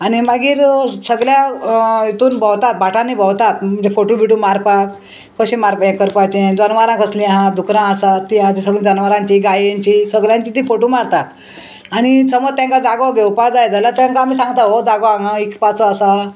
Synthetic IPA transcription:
añimaɡiːɾsəɡljait̪uːnbʱəwt̪at̪̚bʱaʈʰãnːiːbʱəwt̪at̪m̤ənd͡zefoʈubʱiʈuːmaɾpakː | əɕĩmaɾpaẽkəɾpat͡ɕed͡zənʋaɾãkəslĩɦãd̪ukɾãəsat̪ːiɦãt̪ĩsəɡlĩd͡zənʋaɾãɲt͡ɕiːɡajɲt͡ɕisəɡljãɲt͡ɕiːt̪̬iːfoʈomaɾt̪at̪ | añisəməɾ̚t̪jãŋkad͡zaɡaɡʱewpad͡zajd͡zalat̪jãŋkaamiːsãŋɡt̪aɦod͡zaɡoaɦãikpat͡soasa

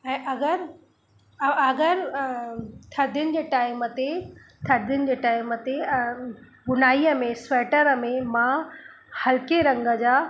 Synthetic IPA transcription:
ɛ̃ːʔɐɡəɾ | ɐɡəɾ | t̪ʰɐɾd̪ʱɪʊnɪ̆d͡ʑeːʈaːɪmət̪et̪ʰɐɾd̪ʱɪʊnɪ̆d͡ʑeːʈaːɪmət̪e | ɓʊnaːiəmẽsʋɛːʈəɾəmẽmã | hɐlkeɾɐ̃ŋɡə̆d͡ʑaː

